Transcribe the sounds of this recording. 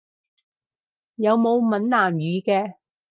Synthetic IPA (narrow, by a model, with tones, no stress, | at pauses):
jɐ˨˧wmo˨˧wmɐ˨˥nlaː˨˩mjyː˨˧kɛː˧